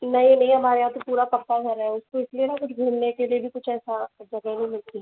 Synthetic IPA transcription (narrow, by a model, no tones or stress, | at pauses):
nɐɦĩnɐɦĩɦɐmaːɾeɦaːt̪opuːɾapɐɾt̪aɡʱɐɾɦɛʊskoɪslienakʊt͡ʃʰɡʱuːlnekeliebʱikʊt͡ʃʰɛːsad͡ʒɐɡəɦnɐɦĩmɪlt̪i